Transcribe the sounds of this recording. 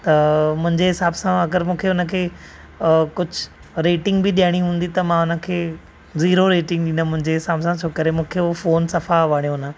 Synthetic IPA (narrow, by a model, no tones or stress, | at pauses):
t̪ɐmʊ̃ɦɪ̃ɲd͡ʑeɦɪsaːbsãɐɡəɾmũːkʰeʊnəkʰeː | kʊd͡ʑʱʊ | ɾeːʈɪ̃ŋɡbɪɗijaɽ̃iɦũːn̆d̪it̪ɐmãʊnə̆kʰeː | ziːɾoɾeːʈɪ̃ŋɡ̚ɗĩnd̪amʊ̃ɦɪ̃ɲd͡ʑeɦɪsaːbsãt͡ɕʰoːkəɾemũːkʰefoːnsɐfaʋaːɽijõnə